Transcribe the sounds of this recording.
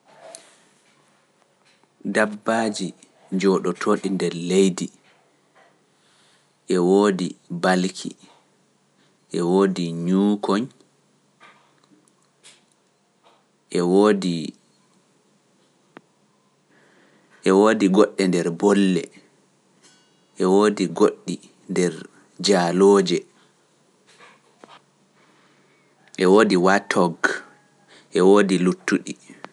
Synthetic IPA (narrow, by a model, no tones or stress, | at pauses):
dabːad͡ʒi | d͡ʒɔɗɔtʰoːɗindɛɾlejdi | ʔɛwoːdibalkʰḭ | ʔɛwoːdiɲuːkʰɔɲ | ʔɛwodi | ʔɛwoːdiɡɔɗːɛndɛɾbɔlːɛ̰ | ʔɛwoːdiɡoɗːi | ndɛɾ | d͡ʒaːloːd͡ʒɛ | ʔɛwoːdiwatʰɔɡ | ʔɛwoːdilutːuɗi